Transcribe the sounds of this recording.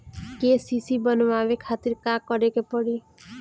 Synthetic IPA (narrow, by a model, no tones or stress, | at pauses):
kesisibɔnʋaʋekʰat̪iɾkakɔɾekepɔɽi